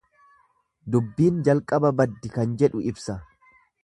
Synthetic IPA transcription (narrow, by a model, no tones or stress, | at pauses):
d̪ʊbːiːnd͡ʒɐlkʼɐbɐbɐd̪ːɪkɐnd͡ʒɛᶑʊɪbsɐ